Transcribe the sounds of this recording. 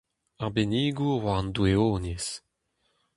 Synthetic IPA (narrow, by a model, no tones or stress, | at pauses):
aʁbeniːɡuʁwand̪ueoːnis